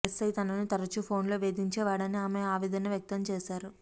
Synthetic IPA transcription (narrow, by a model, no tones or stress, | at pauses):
est̪ɐjt̪ɐnɐnut̪ɐɾɐt͡ʃupʰo̞ːnlo̞ːʋe̞ːd̪iɲt͡ʃɛːʋaːɽɐniaːmeaːʋid̪ɐnɐʋjɐk̚t̪ɐmt͡ʃeːʃaːɾu